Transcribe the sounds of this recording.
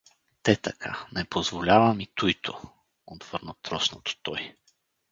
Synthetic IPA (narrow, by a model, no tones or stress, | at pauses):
t̪ɛt̪akʰa̰nɛpʰozvolʲavamit̪ujt̪ʰo | od̪v̥ɤɾnot̪ɾɔsnot̪o̥t̪ɔj